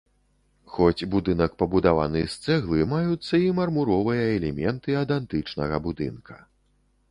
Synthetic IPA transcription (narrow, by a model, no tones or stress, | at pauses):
xɔt͡sʲbud̪ɨnɐkpɐbud̪ava̰nɨst̪sɛɣlˠɨmajut̪sːɐimɐrmuɾɔvɨjɐɛlʲɛmʲɛnt̪ɨɐd̪ɛnt̪ɨt͡ʂnɐɣɐbud̪ɨ̰nkʰɐ̥